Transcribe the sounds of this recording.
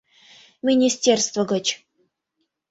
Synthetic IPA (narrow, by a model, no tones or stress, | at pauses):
mʲɪnʲisʲtʲerst̪vəɡə̆t͡ɕ